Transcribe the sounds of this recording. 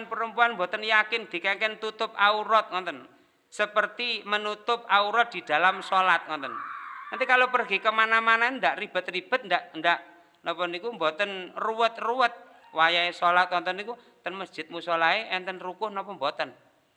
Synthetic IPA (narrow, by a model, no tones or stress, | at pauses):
npəɾəmpuanmbot̪ənjakɪnd̪̥i̤kakɛnt̪ut̪ʊp̚auɾɔt̪̚ŋɔnt̪ɔn | səpərt̪imənut̪ʊp̚auɾɔt̪̚d̥̪i̤d̪̥a̤lamsolat̪̚ŋɔnt̪ɔnnant̪ikalopərɡikəmanamanand̪aʔrib̥ə̤t̪rib̥ə̤t̪̚nd̪aʔndaʔ | nɔmpɔnikumbot̪ənruwət̪̚ruwət̪̚ | wajaesolat̪̚ŋɔnt̪ɔnikut̪ənməsd̥d͡ʒ̥ɪt̪̚musolaeʔɛnt̪ənrukʊhnɔpɔmbot̪ən